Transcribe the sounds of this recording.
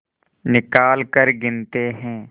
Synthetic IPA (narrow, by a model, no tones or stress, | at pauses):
nɪkaːlkəɾɡɪnt̪eɦɛ̃ː